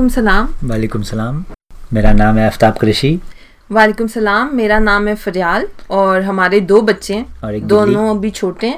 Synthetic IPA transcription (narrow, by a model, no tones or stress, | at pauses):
kʊmsɐlaːmʋaːleːkʊmsɐlaːmːeːɾanaːmɛɐft̪aːb̚kɾɪʃi | ʋaːleːkʊmsɐlaːmːeːɾanaːmɦɛfɐɾjaːlɔːɾɦɐmaːɾed̪oːbɐtːʃẽɔːɾeːkd̪oːnnõɐbʱit͡ʃʰoːʈẽ